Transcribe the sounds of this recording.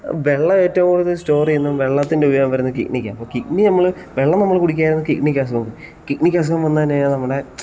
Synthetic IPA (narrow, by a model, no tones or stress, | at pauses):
ʋe̞ɭːɐeːtːɐʋɐmoɽiðɨsto̞ːrienːumʋe̞ɭːɐt̪ːindeubijoːɣɐmpɐɾeunːɐɨkḭknikʲːaɐpːoːkik̚ninɐmːɐɭ | ʋe̞ɭːɐmnɐmːɐɭkuɽik̬ʲːaːjiɾunːɨkiknikʲːas̬ɐɣɐmbu | kiknikʲːas̬ɐɣɐmʋɐnːɐðɐnejanɐmːɐɽe̞